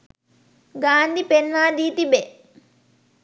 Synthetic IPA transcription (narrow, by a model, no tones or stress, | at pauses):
ɡaːnd̪ipenʋaːd̪iːt̪ibe